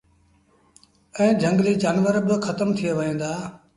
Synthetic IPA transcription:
ɛ̃ːd͡ʒʱə̃ŋɡliːd͡ʒaːnʋəɾbɪxʰət̪əmt̪ʰijeʋəɦẽːnd̪aː

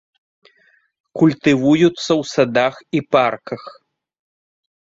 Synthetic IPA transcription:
kulʲt̪ɨvujut̪sːɐwsad̪axiparkɐx

